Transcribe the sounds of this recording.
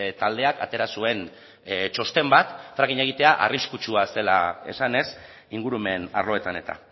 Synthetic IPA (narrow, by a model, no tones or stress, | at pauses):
t̪ald̪e̞akat̪e̞ɾasue̞n | t͡ʃo̞st̪e̞mbat̪fɾaɣiɲe̞ɣ̞it̪e̞aʔariskut͡ʃuase̞la̰e̞̰sane̞s | iŋɡuɾume̞na̰rlo̞e̞t̪ane̞t̪a̰